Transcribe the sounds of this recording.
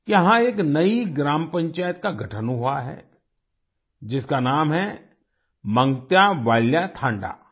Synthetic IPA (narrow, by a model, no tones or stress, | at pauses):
jɐɦãeːknɐiɡɾaːmpɐ̃ɲt͡ʃaːjət̪̚kaɡʱɐʈʰənɦuaɦɛ̰ː | d͡ʒɪskanaːmɦɛ | mɐ̃ŋɡt̪jaʋaːljat̪ʰãːɳɖa̰ː